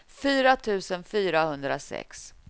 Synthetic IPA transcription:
fyːɾat̪ʰʉ̟ːsənfyːɾahɵnd̪ɾasɛ̰ks

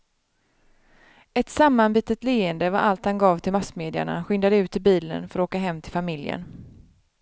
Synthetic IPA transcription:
ɛt̪samːanbiːt̪ət̪leːənd̪əvaɾʔalt̪hanɡɑːvt̪ʰɪlmasmeːd̪ɪa̰ɳa̰ɧʏnd̪ad̪əʉ̟ːt̪ʰːɪlbiːlə̰nfœɾɔoːkaɦɛmːt̪ʰɪlfamɪljə̰n

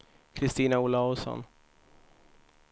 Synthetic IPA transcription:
kʰɾɪst̪iːnaʊlaʊsɔ̰n

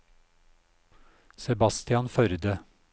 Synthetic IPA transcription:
sɛbɑst̪ɪɑnfœɾd̪ə

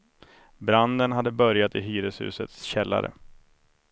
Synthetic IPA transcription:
bɾand̪ənɦad̪ːəbœɾjat̪ɪɦyːɾəshʉ̟̰ːsət̪sɕɛlːa̰ɾə̰

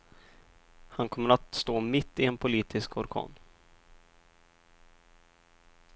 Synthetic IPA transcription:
hankʰɔmːəɾat̪st̪oːmɪt̪ʰːɪɛnpʰʊliːt̪ʰɪskʰɔɾkʰɑ̰ːn

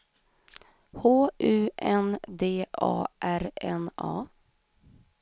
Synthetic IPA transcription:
hoːʔʉ̟ːʔɛnd̪eːʔɑ̰ːʔæɾɛnɑː

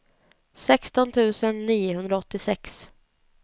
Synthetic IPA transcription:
sɛkst̪ɔnt̪ʰʉ̟ːsənːiːʊɦɵnd̪ɾaɔt̪ːɪsɛks

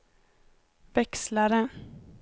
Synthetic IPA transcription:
vɛkslaɾə

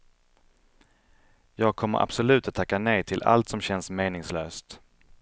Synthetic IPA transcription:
jɑːɡ̚kʰɔmːə̰ɾʔa̰b̥sʊlʉ̟ːt̪at̪ʰːakːanɛjt̪ʰɪlʔa̰lt̪sɔmɕɛnsmeːnɪŋsløːst̪

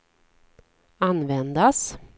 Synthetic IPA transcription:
anvɛnd̪as

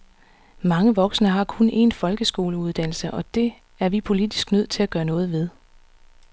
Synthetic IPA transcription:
mɑ̈ŋəʋɒ̽ɡ̥snəɦɑ̈kʰone̝̰nfɒ̽lɡ̥əsɡ̥o̝̰ːləuð̞ˠd̥æn̰l̩səʔɒ̽d̥e̝ | æɐʋipʰo̝lid̥i̥sɡ̥nøð̞̰ˠt͡sʰe̝læɡ̥ɶːɐnɔ̽ːð̞̩ˠʋe̝ð̞ˠ

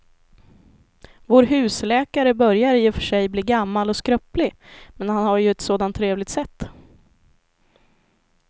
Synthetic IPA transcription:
voːɾɦʉ̟ːslɛːkaɾəbœɾjaɾjɵfœ̥ʂɛjbliːɡamːalɔskɾœplɪmɛnhanhaɾjɵɛt̪soːd̪ant̪ʰːɾeːvlɪɡt̪sɛt̪ː

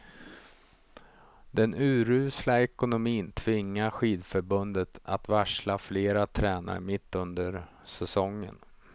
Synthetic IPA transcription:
d̪ɛnʉ̟ːɾʉ̟ːslaɛkʊnʊmiːnt̪ʰvɪŋːaɧiːd̪fœɾbɵnd̪ət̪at̪væʂlafleːɾat̪ʰɾɛːna̰ɾmɪt̪ːɵnd̪əɾ | sɛsɔŋːə̰n

